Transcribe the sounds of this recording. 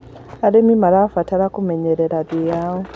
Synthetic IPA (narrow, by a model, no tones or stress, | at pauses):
aɾemimaɾafataɾakumeɲeɾɛɾaðijaːwo